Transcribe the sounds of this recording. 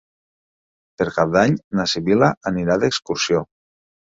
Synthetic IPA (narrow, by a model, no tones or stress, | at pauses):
pəɾkap̚d̪aɲnasiβilaʔːniɾaðekskuɾsio